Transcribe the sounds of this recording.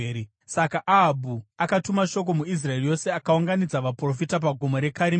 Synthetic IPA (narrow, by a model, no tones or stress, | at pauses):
sakaʔaɦabʱuakatumaʃo̞k̬o̞muis̬rae̞rijo̞se̞akauŋɡanid͡zaʋapro̞fitap̬aɡʱomo̞ɾe̞kaɾi